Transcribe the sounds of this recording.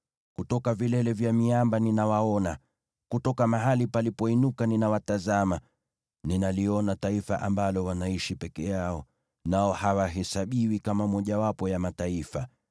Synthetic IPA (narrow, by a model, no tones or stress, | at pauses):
kutɔkavilɛlɛvjamiambaninawaɔna | kutɔkamaɦalipalipɔinukaninawatazama | ninaliɔnataifaʔambalɔwanaiʃipɛkɛjaɔ | naɔhawaɦɛsaɓiwikamamɔʄawapɔjamataifa